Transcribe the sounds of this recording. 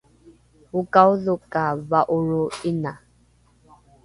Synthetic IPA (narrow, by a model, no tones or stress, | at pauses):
ukauðukavaʔuɻuina